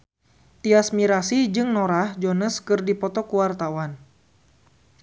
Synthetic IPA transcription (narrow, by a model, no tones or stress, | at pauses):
t̪iasmiɾasid͡ʒɨŋnɔɾahd͡ʒɔnəskɨrdipɔt̪ɔkuwart̪awan